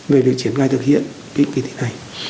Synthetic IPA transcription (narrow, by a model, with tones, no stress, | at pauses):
ve˨˩vi˨˩ək̚t͡ɕi˧˦ənxaː˧jt̪ʰɨ˨˩k̚hḭ˧˨ən | ki˦˥ŋ̟ki˨˧˩t̪ʰe˨˦na˨˩j